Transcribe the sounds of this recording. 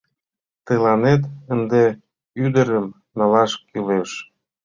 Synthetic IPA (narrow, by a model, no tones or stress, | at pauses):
t̪əlɑnet̪ənd̪e | yd̪əɾəm | nɑlɑʃkyleʃ